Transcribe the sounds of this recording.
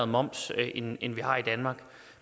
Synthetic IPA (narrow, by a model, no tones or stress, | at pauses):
ð̩ˠmɒ̽m̰sʔenenʋihɑ̈ːid̥ænmɑ̈ːɡ̥